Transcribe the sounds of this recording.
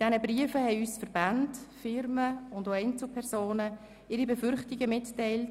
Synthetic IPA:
d̥ɛnəbriəfəhɛɪyːsfəɾb̥andfɪɾməʊndoɛɪnt͡sl̩pʰɛrsoːnə | ɪɾibɛfʏɾχtiɡəmɪttːɛɪlt

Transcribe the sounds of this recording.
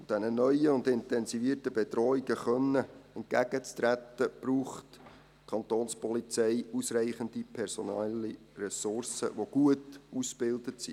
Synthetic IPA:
d̥ɛnənœʏəʊnd̪ɪntɛnsiviərtəb̥ɛd̪rɔːiɡəχœnːəɛnt̚ɡ̥æɡət͡st̪ɾætːəb̥ruːχt | kʰɑnt̪oːnspɔlit͡sɛɪusræɪχənd̥ipʰɛɾsonɛli | rɛsʊrsə̰ʋoɡ̥uətusb̥ɪldətsḭ

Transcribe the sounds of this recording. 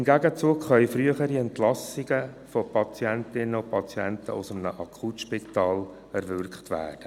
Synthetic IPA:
ɪmɡæɡət͡suːkχœʏfɾyəχəɾiɛntlɑsiɡə | fɔpʰɑt͡sjæntɪnːəʊpʰɑt͡sjɛntə̰ʔʊ̰səmnəʔɑkʰχutʃpit̪ɑːl | ɛɾʋʏɾkχtʋæ̰ːd̥ə

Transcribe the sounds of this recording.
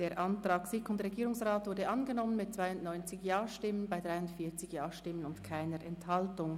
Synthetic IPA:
d̥eːɐʔɑntʁ̥aːksɪkʊndʁeɡiːɾʊŋsʁaːtvʊɾdəʔɑnɡənɔmənmɪt̚t͡sv̥aɪʊntnɔʏnt͡sɪçjaːʃtɪmənbaɪdʁaɪʊntfiːɐt͡sɪçjaːʃtɪmənʊntkʰaɪnəɾʔɛnthɑltʊŋ

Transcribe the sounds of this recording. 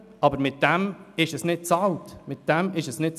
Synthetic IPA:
ɑbəɾmɪt̚d̥ɛmɪʃəsnɪt̚t͡sɑltmɪt̚d̥ɛmɪʃəsnɪt̚t͡s

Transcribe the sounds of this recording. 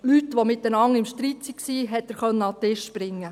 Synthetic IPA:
lytːʋomɪt̚dənɑŋːɪmʃtɾit̪siksiːɦɛt̪ːəɾχœnːəɑt̪ɪʃb̥ɾɪŋːə

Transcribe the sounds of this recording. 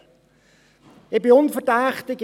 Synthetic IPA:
ɪb̥ɪʊnfəʁdaːχtɪɡ

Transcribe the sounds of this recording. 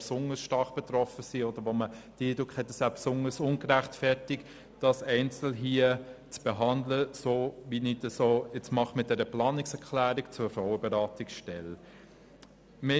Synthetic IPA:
psʊnəsʃtɑχb̥ɛt̪ɾɔfəsiɔdəɾʋoməd̥iədɾʊkχhɛtːəsæːpsʊnəsʊnɡəɾæχtfɛɾtɪk | d̥ɑsɛɪnt͡sl̩ɦiət͡sb̥eɦɑndləsoːvinitəsoːɛt͡smɑχmɪt̚d̥ɛɾəplɑːnɪksɛɾkʰlæːɾikt͡sʊfɾɔʊəbeɾɑːtɪksʃtɛl | me

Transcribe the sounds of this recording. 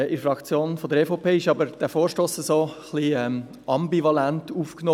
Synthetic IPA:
ɪfɾɑkt͡sjoːnfɔd̪əɾɛfopʰeːɪʃɑbəɾd̥æfoːɾʃtoːsɛsoːχliɛm | ɑmbivɑlæntuːfknoː

